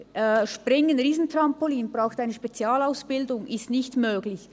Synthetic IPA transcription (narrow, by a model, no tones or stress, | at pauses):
ʃpʁɪŋənʁiːzn̩trampoliːnb̥ʁaʊxtaɪnəʃpɛt͡sjaːlaʊsb̥ɪldʊŋɪstnɪçtmøːɡlɪç